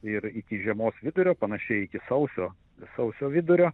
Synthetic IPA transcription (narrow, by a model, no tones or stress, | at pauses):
ɪɾɪkʲɪʒʲiɛmoːsʋʲɪd̪ʊɾʲoːpɐnɐʃʲɛɪɪkʲɪsɐʊsʲoː | sɐʊsʲoːʋʲɪd̪ʊɾʲoː